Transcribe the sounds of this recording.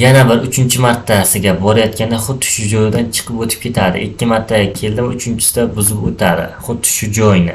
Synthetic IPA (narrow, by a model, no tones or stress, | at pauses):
janabɪɾʊt͡ʃʰɪnt͡ʃʰɪmaɾt̪ʰːasɪɡʲabɒɾajɒt̪̚kʲanɪχʊd̪ːɪ̥ʃʊd͡ʒɒjd̪ant͡ʃʰɨ̥qʰɨpot̪ʰɪ̥p̚kʲe̞t̪ʰad̪ɪ̰ʔɪkʲːɪmaɾt̪ʰːakʲʰe̞ld̪ɪmʊt͡ʃʰɪnt͡ʃʰɪ̥sɪ̥d̪abʊzɪot̪ʰad̪ɪ̰χʊd̪ːɪ̥ʃʊd͡ʒɒjnɪ